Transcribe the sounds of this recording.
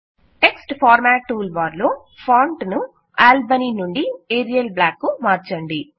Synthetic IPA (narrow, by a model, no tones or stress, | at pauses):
neksʈpʰaːɾmaːʈːuːlʋaːɾloː | pʰaːɳʈnu | aːlbɐninuɳɖieːɾijɐlblaːkːumaːɾt͡ʃɐɳɖi